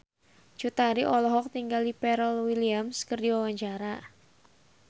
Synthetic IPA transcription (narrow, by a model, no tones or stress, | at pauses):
d͡ʒ̥ut̪aɾiʔɔlɔɦɔk̚t̪iŋɡalipɛɾəlwiliamskərdiwawaɲt͡ʃaɾa